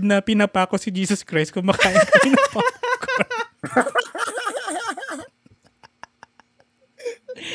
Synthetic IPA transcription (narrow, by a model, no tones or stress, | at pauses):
d̪̚nɐpɪnɐpaːkosɪd͡ʒiːsɔskɾajst̪̚kʊŋmɐkaːʔɪnkɐpɪnapaːkk